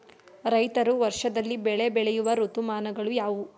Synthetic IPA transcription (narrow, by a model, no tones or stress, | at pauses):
ɾɐjt̪ɐɾuʋɐɾʂɐd̪ɐlːibɛɭe̞bɛɭejuʋɐɾut̪umaːnɐɡɐɭujaːʋu